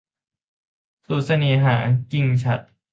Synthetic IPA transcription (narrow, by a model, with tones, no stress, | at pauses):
suː˨˩t̪̚sa˧niː˨˩˦ɦaː˩˦ki˧ŋt͡ɕʰa˨˩t̪̚